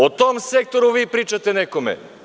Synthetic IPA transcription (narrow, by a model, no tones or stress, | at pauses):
ot̪omsɛk̚t̪oɾuvipɾit͡ʃat̪ɛnɛkomɛ̰